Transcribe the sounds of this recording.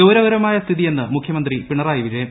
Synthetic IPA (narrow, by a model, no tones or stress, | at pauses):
ɐwɾɐʋɐɾɐmaːjɐst̪ʰiðije̞nːɨmukʰjɐmɐnd̪ripiɳɐraːjiʋid͡ʑɐjɐm